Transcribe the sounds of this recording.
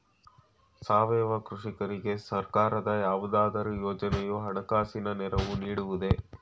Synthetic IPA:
saːʋɛːʋɐkɾuʂikɐɾiɡe̞sɐɾkaːɾɐd̪ɐjaːʋud̪aːd̪ɐɾujoːd͡ʒɐnɛjuɦɐɳɐkaːsinɐnɛɾɐʋuniːɽuʋud̪e̞

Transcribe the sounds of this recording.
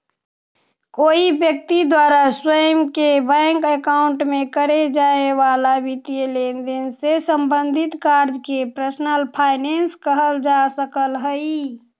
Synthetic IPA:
koibjək̚t̪id̪waɾaswəjəmkebə̃ŋkəkaʊɳʈmekəɾed͡ʒaeʋalabit̪ijelend̪ensesəmbənd̪ʱit̪kaɾd͡ʒkepɾəsnəlpʰaɪnenskəɦəld͡ʒasəkəlɦəi

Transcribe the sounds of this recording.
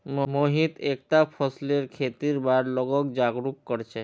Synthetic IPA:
mmoɦit̪ek̚ʈapʰɔsleɾkʰet̪iɾbaɾlɔɡɔkd͡ʒaɡɾukːɔɾt͡ʃʰe

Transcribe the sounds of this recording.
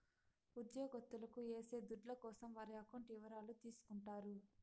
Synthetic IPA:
ud̪jɔːɡɐt̪ːulɐkue̞ːse̞ːd̪uɖlɐkɔːsɐmʋaːɾiɐkɐɳʈiːʋɐɾaːlut̪iːsu̥kuɳʈaːɾu

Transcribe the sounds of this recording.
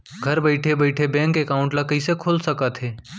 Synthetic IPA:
ɡʱɐɾbəɪʈʰebəɪʈʰebɛ̃ːŋkekaːʊ̃ɳʈlakəisekʰoːlsəkət̪ɦeː

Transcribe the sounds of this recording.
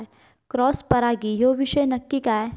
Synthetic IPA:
kɾɔːspɐɾaːɡijoːʋiʃəjnɐkːikaːe

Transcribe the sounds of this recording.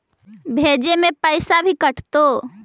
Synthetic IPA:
bʱeːd͡ʒemẽpəɪsabʱikɐʈʰt̪oː

